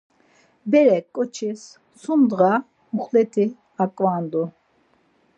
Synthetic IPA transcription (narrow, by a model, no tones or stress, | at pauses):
bɛɾɛkʼɔt͡ʃʰis | sund̪ʁa | muχlɛt̪ʰi | akʼvaːnd̪u